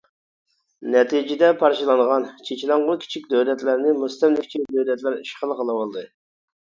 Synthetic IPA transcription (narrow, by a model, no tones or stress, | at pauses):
nɛt̪ʰid͡ʒid̪ɛpʰɑɾʃilˠɑnʁɑnt͡ʃʰet͡ʃilæŋʁʊkʲʰi̥t͡ʃʰikʲd̪øwlɛt̪læɾnɪmust̪ɛmlɪkʲt͡ʃʰid̪øwlɛt̪læɾiʃχəlˠqəlˠɨwɑlˠd̪ɨ